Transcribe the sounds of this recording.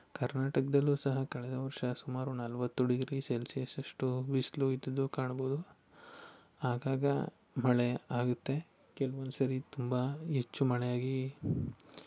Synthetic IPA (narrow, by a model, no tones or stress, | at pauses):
kɐɾnaːʈɐkɐd̪ɐlːusɐɦɐkɐɭɛd̪ɐʋɐɾʂɐsumaːɾunɐlʋɐt̪ːuɖiɡɾiselsijɐsɐʂʈuʋisluid̪ɐd̪ːukaːɳboːd̪u | aːɡaːɡɐ̰ | mɐɭeaːɡut̪ːe̞ | kɛlɐʋond̪usɐɾit̪umbɐɦet͡ʃːumɐɭɛjaːɡi